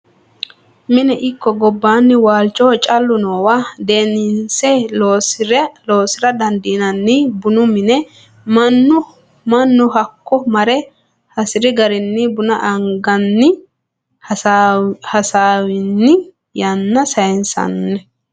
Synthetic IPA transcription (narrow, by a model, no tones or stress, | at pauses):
mɪnɛʔɪkːɔɡɔbːaːnːɪwaːlt͡ʃʼɔːt͡ʃʼɐlːʊnoːwaːd̪eːnɪnsɛloːsɾloːsɪɾɐd̪ɐnd̪iːnɐnːɪbʊnʊmɪnɛ | mɐnːʊ | mɐnːʊɦɐkːɔmɐɾɛ | hɐsɪɾɪɡɐɾɪnːɪbʊnɐ̰ʔɐŋɡɐnːɪ | hɐsaːwɪnːɪ | jɐnːɐsɐjɛnsɐ̰nːɛ